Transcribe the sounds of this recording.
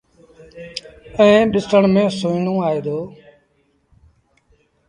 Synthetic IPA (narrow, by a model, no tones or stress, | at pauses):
ẽːɗɪsəɳmẽːsũːinõːaːeːd̪oː